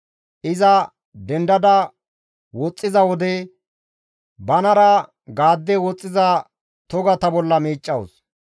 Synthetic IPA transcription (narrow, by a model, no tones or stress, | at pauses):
ʔɪzɐ | d̪ɛnd̪ɐd̪ɐ | wɔt͡sʼːɪzɐwɔd̪ɛ | bɐnɐɾɐ | ɡaːd̪ːɛwɔt͡sʼːɪzɐ | t̪ɔɡɐt̪ɐbɔlːɐmiːt͡ʃʼːɐwʊs